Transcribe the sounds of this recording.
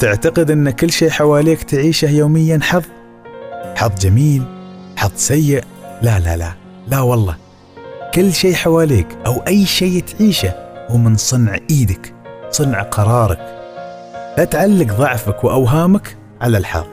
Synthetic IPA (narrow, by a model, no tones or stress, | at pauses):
t̪ɪʕt̪aqɪd̪ʔɪnːakɪlːʃeːħawaːliːkt̪ʕiːʃahjoːmɪjːanħɑðˤ | ħɑðˤd͡ʒamiːlħɑðˤsajːɪʔ | lala̰la̰ | lawɑlˤːɑː | kɪlːʃeːħawaːliːkʔawʔajːʃeːt̪ʕiːʃahuːmɪnsˤʊnʕʔiːd̪aksˤʊnʕqʰɑɾˤɑːɾˤɑ̰k | lat̪ʕalːɪɡðˤɑʕfakwɪʔawɦaːmak | ʕalalħɑ̰ðˤ